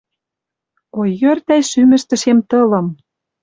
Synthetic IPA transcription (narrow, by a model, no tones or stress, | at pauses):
ojːørt̪æjʃymɘ̆ʃt̪ə̆ʃemt̪ɤ̆lɤ̆m